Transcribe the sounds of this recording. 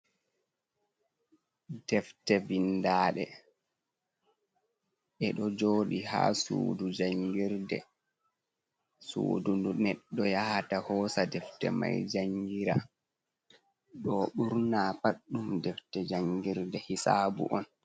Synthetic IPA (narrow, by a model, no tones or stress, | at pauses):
dɛftɛvindaːɗɛ | ʔɛɗɔd͡ʒoːɗiha̰ːsṵːdud͡ʒaŋɡiɾdɛ | sṵːdundunɛɗːɔjahatahɔːsadɛftɛ̰ma̰jd͡ʒaŋɡiɾa̰ | ɗɔɓuɾnaːpaɗːumdɛftɛd͡ʒaŋɡiɾdɛhisaːbṵʔɔn